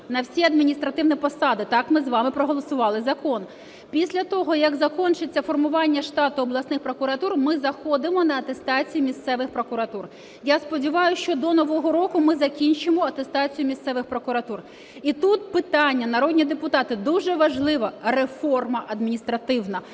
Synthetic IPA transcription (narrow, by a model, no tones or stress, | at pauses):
nɐwsʲiɐd̪mʲinʲist̪ɾɐt̪ɪwnipɔsɑd̪ɪt̪ɑkmɪzʋɑmɪpɾɔɦɔlˠɔsʊʋɑlˠɪzɐkɔn | pʲisʲlʲɐt̪ɔɦɔjɐɡzɐkɔnt͡ʃɪt͡sʲːɐfɔrmʊʋɑnʲːɐʃt̪ɑt̪ʊɔblˠɐsnɪxpɾɔkʊɾɐt̪urmɪzɐxɔd̪ɪmɔnɐɐt̪est̪ɑt͡sʲijimʲist̪sɛʋɪxpɾɔkʊɾɐt̪ur | jaspɔdʲiʋɑjʊʃt͡ʃɔd̪ɔnɔʋɔɦɔɾɔkʊmɪzɐkʲinʲt͡ʃɪmɔɐt̪est̪ɑt͡sʲijʊmʲist̪sɛʋɪxpɾɔkʊɾɐt̪ur | it̪ut̪̚pɪt̪ɑnʲːɐnɐɾɔd̪ʲnʲid̪epʊt̪ɑt̪ɪd̪uʒɛʋɐʒlˠɪʋɐrefɔrmɐʔɐd̪mʲinʲist̪ɾɐt̪ɪwnɐ